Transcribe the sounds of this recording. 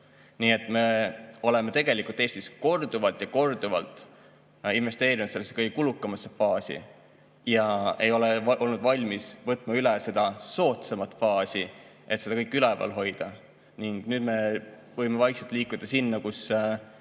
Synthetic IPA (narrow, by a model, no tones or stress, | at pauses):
niːe̞t̪ːˑme̞o̞le̞me̞t̪e̞ɡ̥e̞likult̪ːˑe̞ːst̪isko̞rd̪uvɑlt̪jɑko̞rd̪̥uvɑ̰lt̪ˑ | inve̞st̪e̞ːɾinut̪selːese̥ɤjɡekulukˑːɑmɑsefɑːsḭ | jɑe̞jo̞leʔo̞lnud̪vɑlʲmisvɤt̪ːˑmɑylɛse̞d̪ɑso̞ːt̪semɑt̪ːˑfɑːsi | ʔe̞t̪se̞d̪ɑkɤjkːˑylɛvɑ̰lɦo̞jd̪̥ɑ | niŋɡ̥nyːd̪̥me̞ | vɤ̞jmevɑjkselt̪liːkːˑud̪̥ɑsinːɑkus